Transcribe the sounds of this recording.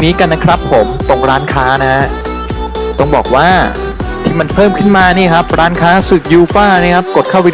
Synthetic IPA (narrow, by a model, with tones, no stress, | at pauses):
niː˦˥ka˧nːa˦˥kʰɾa˦˥pʰːo˩˦mt̪o˧ŋɾaː˦˥nkʰaː˦˥na˦˥ha˦˥ʔ | t̪ɔ˥˩ŋbɔ̰ː˨˩k̚waː˥˩ | t̪ʰiː˥˩ma˧npʰɤː˥˩mkʰɯ˥˩nmaː˧niː˥˩kʰa˦˥p̚ɾaː˦˥nkʰaː˦˥sɯː˨˩p̚juː˧faː˥˩niː˦˥˩kʰa˦˥p̚ko˨˩t̪̚ʰaː˥˩wi˦˥